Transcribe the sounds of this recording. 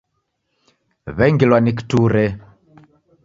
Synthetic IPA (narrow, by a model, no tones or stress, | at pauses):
βɛŋɡilwanik̬i̥tuɾɛ